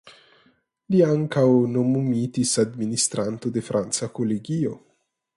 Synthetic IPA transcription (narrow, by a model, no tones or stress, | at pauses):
liaŋkawnomumit̪isad̪minist̪ɾant̪o̞de̞fɾʔant͡sako̞leɡio̞